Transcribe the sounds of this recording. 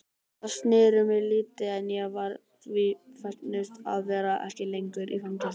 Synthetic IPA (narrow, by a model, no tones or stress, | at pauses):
ast̪nɪːɾʏmɪliːt̪ɪɛnjɛɣvaɾ | vɪfɛt̪nɪst̪a̰ðvɛːɾaʔɛ̰hcɪlejŋkʏɾʔḭfamcɛ